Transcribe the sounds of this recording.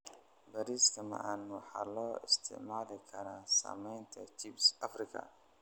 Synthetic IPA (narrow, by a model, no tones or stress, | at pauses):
bɐɾiːskʰɐmɐ̰ʕɑnwɑħɑ̰ːlɔːɪst̪ʰɪ̰ʕmaːðɪkʰɐɾaːsa̰ːmɛjnt̪ʰɐt͡ʃibsʔɐfrɪkʰɐ̰